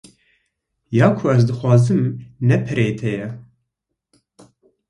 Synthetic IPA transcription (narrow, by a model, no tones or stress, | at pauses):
jɑːkʰoɛzd̪ɨxʷwɑːzɨmnɛpʰɨɾeːt̪ʰɛjɛ